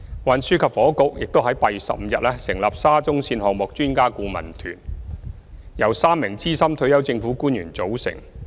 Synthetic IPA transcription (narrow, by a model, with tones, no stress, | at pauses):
waː˨˧nsyː˥kʰɐ˨p̚fɔː˨˥kʊ˨˥k̚jɪ˨k̚t̪o˥wɦɐ˨˥jpɐ˨jy˨sɐ̰˨p̚m̩˨˧jɐ˨t̚lɛː˥sɪ˨˩ŋlaː˨p̚saː˥t͡sʊ˥ŋsiː˧nhɔː˨k̚mɔ˨k̚t͡ʃyː˥nkaː˥kuː˧mɐ̰˨˩nt̪ʰy̰ː˨˩n | jɐ˨˩wsaː˥mːɪ˨˩ŋt͡siː˥sɐ˥mt̪ʰɵ˧ɥjɐ˨˥wt͡sɪ˧ŋfuː˨˥kuː˥njyː˨˩nt͡so˨˥wsɪ̰˨˩ŋ